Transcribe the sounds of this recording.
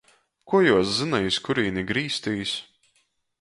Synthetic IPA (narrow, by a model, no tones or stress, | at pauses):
kuɔjuɔszɨnajiskuɾiːniɡɾiːst̪iːs